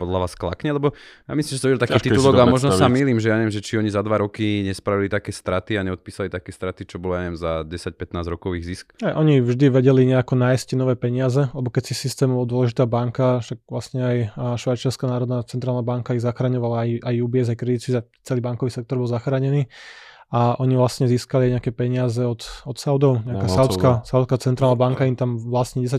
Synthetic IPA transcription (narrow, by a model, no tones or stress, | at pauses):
pɔd̪laʋaːskla̰kɲɛlɛbɔja̰mislimʒɛsɔ̃mʋiɟɛlˠt̪akiːt̪iulɔɡamɔʒnɔsamiːlimʒɛjaɲɛʋjɛmʒɛt͡ʃiɔɲizad̪ʋaɾɔkiɲɛspɾaʋilit̪akɛːst̪ɾat̪iaɲɛɔt̪̚piːsalit̪akɛːst̪ɾat̪it͡ʃɔbɔlɔjaɲɛʋjɛmzaɟɛsac̚pɛt̪naːzɾɔkɔʋiːɣziskɛʔɔɲivʒd̪iʋɛɟɛliɲɛakɔnaːjsccɛnɔʋɛːpɛɲɪazɛlɛbɔkɛcsisist̪ɛːmɔɔd̪ʊɔlɛʒit̪aːbaŋkaʃak̚ʋlasɲɛajʃʋajt͡ʃiaɾskanaːɾɔd̪nat͡sɛnt̪ɾaːlnabaŋkaizaxɾaɲɔʋalaajʔajubɪɛzajkɾɛd̪it̪siza | t͡sɛliːbaŋkɔʋiːsɛk̚t̪ɔɾbɔlˠzaxɾaːɲɛniː | aʔɔɲiʋlasɲɛziːskaliajɲɛakɛːpɛɲɪazɛɔt̪ɔt̪saʊd̪ɔʊɲɛakaːsawt͡skasaʊwt͡sskat͡sɛnt̪ɾaːlnabaŋkaimt̪amʋlasɲɛɟɛs̬a